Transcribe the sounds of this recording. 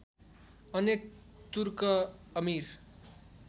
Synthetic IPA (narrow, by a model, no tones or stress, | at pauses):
ʌnek̚ | t̪uɾkʌʌmiɾ